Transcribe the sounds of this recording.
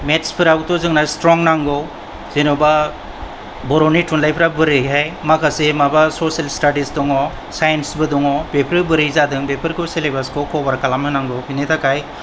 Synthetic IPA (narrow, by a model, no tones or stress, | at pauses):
metspʰiɾawtɔzɯŋnastɾɔŋnaŋɡow | z̥enɔba | bɔɾonitunlajpʰɾabɯɾɯɦajmakʰasemabasoselstadisdɔŋɔ | sajensbɯdɔŋɔbepʰɾɯbɯɾɯjzadɯŋbepʰɯɾkʰuselebaskʰowkʰɔbaɾkalamɯnaŋɡowpʰinitʰakʰaj